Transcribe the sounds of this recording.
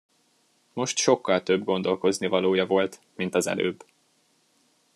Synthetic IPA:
mo̞ʃt̪ʃo̞kːɒlt̪ø̞bɡo̞nd̪o̞lko̞znivɒloːjɒvo̞lt̪ | mint̪ɒzɛ̰lø̰ːb

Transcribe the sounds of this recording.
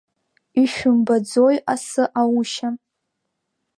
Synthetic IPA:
iʃᶣʊmbad͡zojasɨʔawuʃa

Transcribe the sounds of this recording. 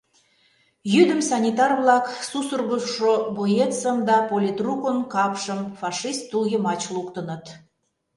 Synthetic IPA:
jyd̪ə̆msɑnʲit̪ɑrβlˠɑksusurɣəʃobojet̪səmd̪ɑpolʲit̪rukənkɑpʃəmfɑʂist̪ːuljemɑt͡ɕlˠukt̪ə̆nə̆t̪

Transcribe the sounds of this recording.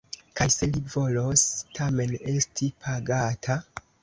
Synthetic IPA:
kajse̞livo̞lostʰame̞ne̞stʰipʰaɡatʰa

